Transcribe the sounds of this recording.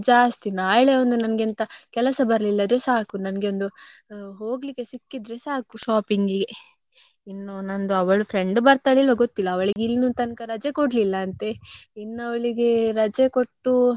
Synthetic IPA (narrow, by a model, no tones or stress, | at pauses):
d͡ʒaːst̪inaːjɭeond̪unɐnɐɡint̪ɐkɛlɐsɐbɐɾɐlilːɐd̪ɾesaːkunɐnɐɡeond̪uɦo̞ːɡlikːe̞sikːid̪ɾesaːkuʃaːpiŋɡiɡe | inːonɐnd̪uɐʋɐɭupʰɾe̞ɳɖbɐɾt̪aːɭilʋɐɡot̪ːilːɐːʋɐɭiɡilnut̪ɐnkɐɾɐd͡ʒekoɖlilːɐːnt̪einːuɐʋɐɭiɡe̞ɾɐd͡ʒekoʈːu